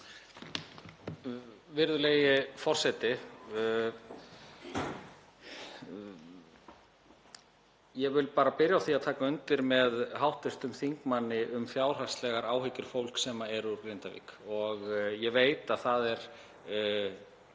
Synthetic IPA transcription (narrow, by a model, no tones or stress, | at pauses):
vɪɾðʏlejɪfɔr̥sɛt̪ɪ | jɛvɪlpaːɾapɪɾjawθiaðt̪ʰaːkaʏnt̪ɪɾmɛðɦawht̪ɪst̪ʏmθiŋkmanːɪʔʏmfjaːwr̥ḁst̪lɛɣaɾaːwhɪcʏɾ̥fowl̥ksɛmaɛɾukɾejnt̪avḭːkɔɣjɛveːjt̪aðθaðɛɾ̥